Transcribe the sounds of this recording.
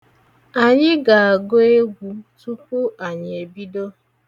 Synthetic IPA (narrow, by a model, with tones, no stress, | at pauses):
a˨ɲɪ˦ɡa˨a˨ɡo˦e˦ɡʷu˦tu˦kʷu˦ʔa˨ɲ˨e˨bi˦do˦